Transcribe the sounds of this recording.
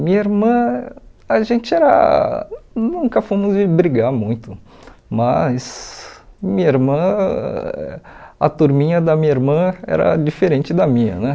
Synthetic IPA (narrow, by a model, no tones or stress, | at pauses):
mĩɲɐiɾmɐ̃ | ɐʒẽnt͡ʃɪɛɾɐ̰ | nũŋkɐfõmʊzd͡ʒɪbɾiɡaɾmũj̃t̪ʊ | mɐs | mĩɲɐiɾmɐ̃ | ɐ̰t̪uɾmĩɲɐd̪ɐmĩɲɐiɾmɐ̃ɛ̰ɾɐ̰d͡ʒifeɾẽnt͡ʃɪd̪ɐmĩɲɐ̰nɛ